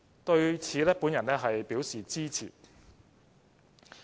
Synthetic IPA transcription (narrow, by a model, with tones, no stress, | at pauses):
t̪ɵ˧ɥt͡sʰiː˨˥lɛ˥puː˨˥njɐ˨˩nɛː˥ɦɐ˨jpiː˨˥wsiː˨t͡siː˥t͡sʰḭː˨˩